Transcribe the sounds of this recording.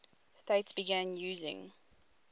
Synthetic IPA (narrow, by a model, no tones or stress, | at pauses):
steɪtsb̥iɡæ̃njuːzɪ̰̃ŋ